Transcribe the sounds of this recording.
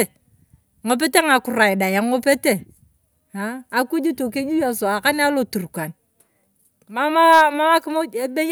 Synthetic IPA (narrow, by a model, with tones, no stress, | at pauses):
ŋo˨p̬e˦te˦ŋa˨ku˨ɾa˨ji˨da˨ja˨ŋo˦pe˦te˦ | aː˨˦˨ku˦d͡ʒi˦to˨ke˦d͡ʒi˦ja˨so˨a˨ka˦n˦a˦lo˨tu˨ɾkʷa˨n | ma˦ma˦ma˦ma˦ki˦mo˦e˨be˦j